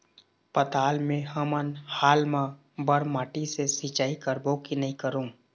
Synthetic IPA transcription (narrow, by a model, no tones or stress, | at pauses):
pɐt̪aːlmẽɦəmənhaːlmã | bəɾmaːʈisesit͡ʃaːikəɾboːkinɐɦĩkəɾũː